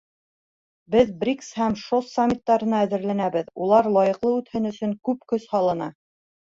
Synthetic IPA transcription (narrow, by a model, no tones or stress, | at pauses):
bɘðbrʲikshæmʃosːamʲːit̪ːɑɾɤ̆nɑæðɘ̆ɾlænæβɘðulˠɑɾlˠɑjɤ̆qlˠɤʉt̪hɘnɵ̆sɵŋkʉp̚kɵshɑlˠɤ̆nɑ